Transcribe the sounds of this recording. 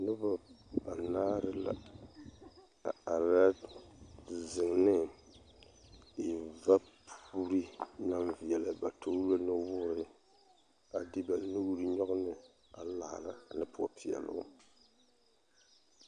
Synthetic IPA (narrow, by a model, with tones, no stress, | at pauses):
nʊ˦ba˦ba˨naː˦ɾɨ˦la̰˨ | a˨ɾa˦˨ | zɨ˨ŋnɨ˦ | ɪ˨va˦pʰu˦u˦ɾi˦na˦mvi˨jɛ˨la˨ba˨tʰo˦lo˦nɨ˦wʊ˦ɾɨ˨˦ | a˨dɪ˦ba˨nu˦ɡu˦ɾɨ˦ɲɔ˦ɣʊ˦nɨ˨ | a˨la˨ʔa̰˨la̰˨nɨ˦pʰʊ˦ɔ˨pʰi˨ɛ̰˨lʊ̰˦